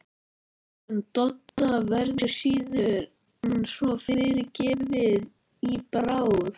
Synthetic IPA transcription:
nt̪ɔt̪ːavɛɾðʏ̥siːðʏɾ | ɛnsvɔfɪɾɪɾɪɾcɛːvɪð | ipɾaːwʏɾ

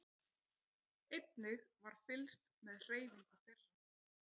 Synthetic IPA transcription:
ɪt̪̚nɪɣvaɾ̥fɪlst̪mɛðr̥eːjvɪŋkaθɛr̥ːa

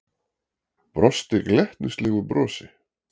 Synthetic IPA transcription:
pɾɔst̪ɪklɛht̪nʏst̪lɛːɣʏpɾɔːsɪ

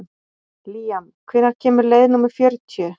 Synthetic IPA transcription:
liːjam | kʰveːnaɾ̥cʰɛːmʏɾleːjðɪnumɪfjœɾt̪ʰjʏ

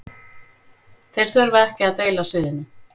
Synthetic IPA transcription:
θejɾ̥θvœɾvaɛhcɪaðt̪eːjlasvɪːðɪnːʏ

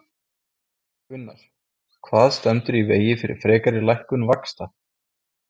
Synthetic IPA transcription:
ʏnːa̰ɾ̥ | kʰvaːðst̪ɛmt̪ʏɾiveːjɪfɪɾɪ̰ɾ̥fɾɛːkaɾɪlajhkʏnvakst̪a

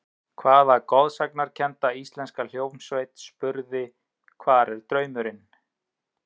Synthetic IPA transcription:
kʰvaːðaɾkɔðsaknaɾ̥cʰɛnt̪aist̪lɛnskal̥joːwnsveːjt̪spʏɾðɪ | kʰvaːɾɛɾ̥t̪ɾœːɥmʏɾɪn

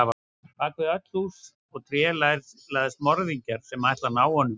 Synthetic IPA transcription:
ava | t̪ʰaːkvɪðœt̪l̥hus | ɔɣt̪ʰɾjɛːlajɾlajðɪst̪mɔɾðiɲcaɾ̥sɛmajhst̪lanaːwhɔnːʏ

